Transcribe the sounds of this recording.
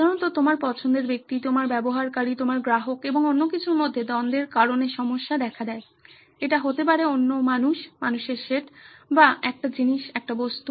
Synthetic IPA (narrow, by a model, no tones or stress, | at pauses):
ad̪ʱaɾont̪ot̪omaɾpɔt͡ɕʰond̪eɾbek̚t̪it̪omaɾbɛboɦaɾkaɾit̪omaɾɡɾaɦokeboŋonːokit͡ɕʰuɾmod̪ʱːed̪ɔnd̪eɾkaɾoneʃɔmoʃːad̪ɛkʰad̪ɛe | eʈaɦot̪ep̬aɾeonːomanuʃmanuʃeɾʃeʈbaɛk̚ʈad͡ʑiniʃɛk̚ʈabost̪u